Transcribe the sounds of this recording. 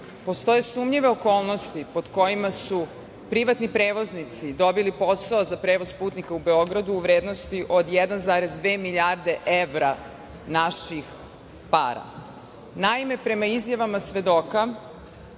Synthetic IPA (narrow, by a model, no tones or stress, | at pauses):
po̞st̪o̞je̞suːmʎiʋe̞oko̞ːlˠno̞st̪ipo̞d̪ko̞jimasu | pɾiʋat̪nipɾeːʋo̞znit̪sid̪o̞bilipo̞saozapɾeʋozpuːt̪nikaube̞o̞ɡɾad̪uːʋɾeːd̪no̞st̪iʔo̞d̪jɛd̪anzaːɾezd̪ʋeːmiʎʲaɾd̪e̞ʔeʋɾa | naʃix | pa̰ːɾa̰ | naime̞pɾe̞maizjaʋamasʋe̞d̪o̞ka